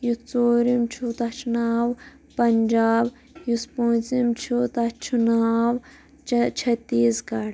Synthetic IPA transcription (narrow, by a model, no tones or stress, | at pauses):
jut͡soːɾimt͡ʃʰut̪ɐt͡ʃʰunaːw | pɐnd͡ʒaːb | juspõːt͡simt͡ʃʰut̪at͡ʃʰunaːw | t͡ʃʰɐt̪iːskɐɽ